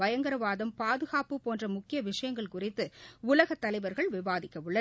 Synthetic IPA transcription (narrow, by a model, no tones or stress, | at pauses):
ɐjɐŋɡɐɾɐʋaːðɐmpaːðɯɣaːpɯpoːndrɐmʊkːɪjɐʋɪʂɐjɐŋɡɐɭkʊrɪt̪ːɯʊlɐɣɐt̪ːɐlɐɪʋɐɾɣɐɭʋɪʋaːðɪkːɐʋɯɭːɐ